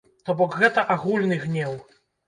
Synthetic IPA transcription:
t̪ɔbɔkɣɛt̪ɐʔaɣulʲnɨɣnʲɛw

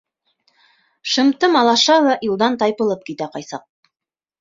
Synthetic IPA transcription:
ʃɤ̆mt̪ɤmɑlˠɑʃɑwɤʔjulˠd̪ɑnt̪ɑjpɤ̆lˠɤp̚kit̪æqɑjsɑ̰q̚

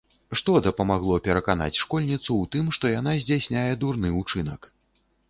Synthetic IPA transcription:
ʂt̪ɔd̪ɐpɐmaɣlˠɔpʲɛɾɐkana̰t͡sʲʂkɔlʲnʲit̪suwt̪ɨmʂt̪ɔjanazʲd͡zʲasʲnʲajɛd̪urnɨut͡ʂɨnɐ̰k

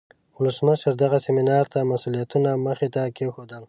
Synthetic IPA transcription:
ʊləsməʃəɾd̪aɣasemɪnɑɾt̪amasulijat̪unaməxet̪akexod̪əl

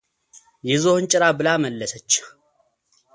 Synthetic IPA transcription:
jɛzohɨnt͡ʃʼɪɾabɨlaməlːəsət͡ʃːɪ̥

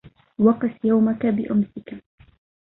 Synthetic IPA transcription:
wɑqɨθjawmakabɪʔʊmsɪka

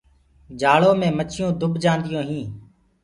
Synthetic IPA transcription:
d͡ʒaːɭoːmẽːmət͡ʃʰɪjõːd̪ʊbʱd͡ʒãːnd̪ɪjõːɦĩː

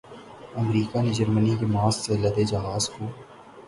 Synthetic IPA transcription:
əmɾiːkaned͡ʒəɾmənikemaːsselɐd̪ed͡ʒaɦaːzkuː

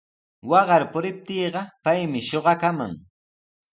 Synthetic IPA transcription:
wɑɢɑɾpʊɾɪp̚t̪iːɢɑpajmɪʃoɢɑkama̰ŋ

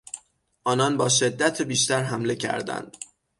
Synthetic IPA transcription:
ʔɒːnɒnbɒːʃe̞d̪ːæt̪ʰebiːʃt̪æɾɦæmle̞cʰæ̰ɾd̪æ̰nd̪̥

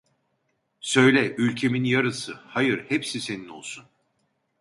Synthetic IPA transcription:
sø̞jlʲɛʔylʲcʰe̞minjaɾɯsɯhajɯɾhepsise̞nino̞lˠsun

